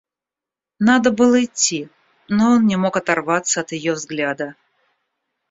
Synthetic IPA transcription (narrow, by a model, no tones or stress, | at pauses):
nad̪əbɨlˠəɪtʲːi | noonnʲɪmo̞kɐt̪ɐrvat̪səɐt̪jɪjovzɡlʲad̪ə